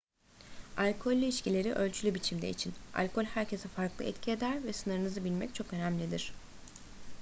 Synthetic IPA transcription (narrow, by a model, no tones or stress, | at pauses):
alʲkʰo̞lʲːyiʃcilʲe̞ɾiʔø̞lʲt͡ʃʰylʲybit͡ʃʰimd̪ɛ̰it͡ʃʰina̰lʲkʰo̞lʲhæɾcʰe̞sɛfaɾklˠɯ̰ɛ̰t̪cʰied̪æɾvɛsɯnɯɾɯnɯzɯbilʲmɛc̚t͡ʃʰo̞kø̞næmlʲid̪iɾ̥